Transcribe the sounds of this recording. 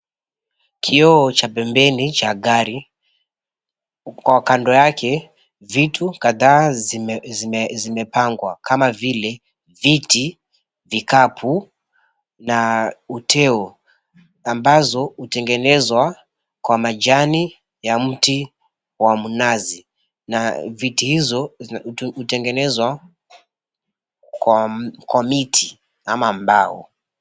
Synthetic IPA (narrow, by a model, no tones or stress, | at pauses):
kʰiɔːt͡ʃapɛmbɛnit͡ʃaɠaɾi | kwakandɔjakɛ | vitʰukaðaː | zizimɛpaŋɡwa̰kʰamavilɛ | viti | vikapʰu | nautʰɛɔ | ambazɔhutɛŋɡɛnɛzwa | kwamad͡ʒani | jam̩ti | wamunazi | navitihizɔ | hutɛŋɡɛnɛzwa | kwakʰwamitʰi | amambaɔ̰